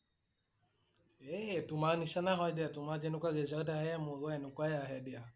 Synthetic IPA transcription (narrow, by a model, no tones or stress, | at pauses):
ɛtumanisanaɦɔdiatumad͡ʒɛnukaɡɛzadahɛjamuɡɔɛnukʷwajaɦɛdia